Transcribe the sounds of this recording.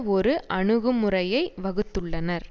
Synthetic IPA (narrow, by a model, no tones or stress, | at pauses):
ɔɾɯʔʔɐɳɯɣɯmɯrɐjɐɪʋɐɣɯt̪ːɯɭːɐnɐɾ